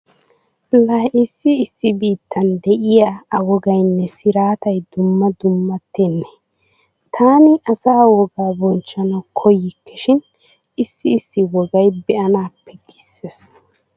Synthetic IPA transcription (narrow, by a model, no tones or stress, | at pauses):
lɐɪsːɪːsːɪbiːt̪ʰːɐnd̪ɛʔɪjaɐwɔɡɐjnːɛsɪɾaːt̪ɐjd̪ʊmːɐd̪ʊmːɐt̪ːenːɛ | t̪ʰaːnɪʔɐsaːwɔɡaːbɔnt͡ʃːɐnɐwkʰɔjɪkːɛʃɪn | ɪsːɪːsːɪwɔɡɐjbɛʔɐnaːpːɛɡ̥ɪsːes